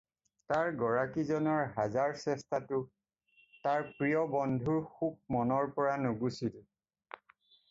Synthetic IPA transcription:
taɹɡɔɹakizɔnɔɹɦazaɹsɛstʰatʊ | taɹpɹijɔbɔndʱuɹxub̚mɔnɔɹpɔɹanʊɡusil

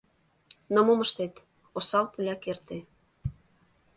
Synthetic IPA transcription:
nomoməʃt̪et̪ | osɑlpylʲɑkert̪e

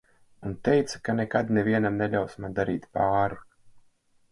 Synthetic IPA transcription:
unt̪ɛjt̪sḁkanʲekad̪neviɛnamnɛʎʲawsmand̪aɾiːt̪paːɾu

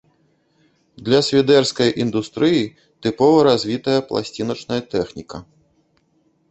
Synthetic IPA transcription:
d̪lʲɐsʲvʲid̪ɛrskɐjʔind̪ust̪ɾɨji | t̪ɨpɔvɐɾazʲvʲit̪ɐjɐplˠa̰sʲt͡sʲinɐt͡ʂnɐjɐt̪ɛxnʲikɐ

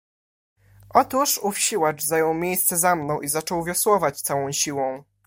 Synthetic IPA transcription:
ʔɔt̪uʂufɕiwat͡ʂzajɔwmʲjejst̪sɛzamnɔ̃w̃ʔizat͡ʂɔwvʲjɔswɔvat͡ɕt̪sawɔ̃w̃ɕiwɔ̃w̃

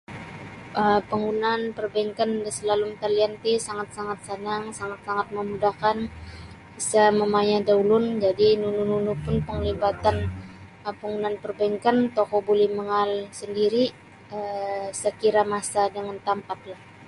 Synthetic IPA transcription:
ʔəmpəŋunanpərbaiŋkandəsəlalumt̪əliant̪isaŋat̪̚saŋat̪̚sənaŋsaŋat̪̚saŋat̪̚məmudahkan | bisaməmaɲadaulʊnd͡ʒadinunununupʊnpəŋlibat̪an | əpəŋunanpərbaiŋkant̪okɔbolɛhməŋalsəndiɾi | əsəkiɾamasadəŋant̪ampat̪̚lah

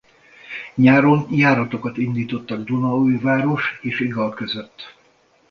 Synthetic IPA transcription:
ɲaːɾonjaːɾɒt̪o̞kɒt̪ind̪iːt̪o̞t̪ːɒɡd̪unɒujvaːɾo̞ʃeːʃiɡɒlkø̞zø̞t̪ː

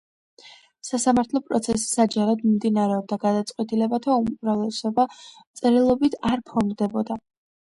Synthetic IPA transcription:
sasamaɾt̪ʰlˠɔpʼɾɔt̪sʰɛsi̥sad͡ʒaɾad̪mmd̪inaɾɛɔb̚d̪aɡad̪at̪sʼqʼwɛt̪ʼilɛbat̪ʰaumɾavlɛsɔba | t̪sʼɛɾilˠɔbit̪ʰaɾpʰɔnd̪ɛbɔd̪a

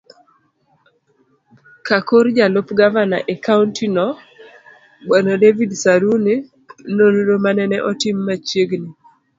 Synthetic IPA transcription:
kakoɾd͡ʒalopɡavanaʔekauntinɔ | ɡ͡bwanɔdevidsaɾuni | nonodomanɛnɛʔɔtimːat͡ʃjeɡni

